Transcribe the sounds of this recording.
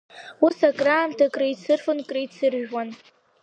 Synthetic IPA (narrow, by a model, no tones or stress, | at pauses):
usakʼraːmtʰakʼrajt͡sʰɨrfɨnkʼriit͡sʰɨrʒwan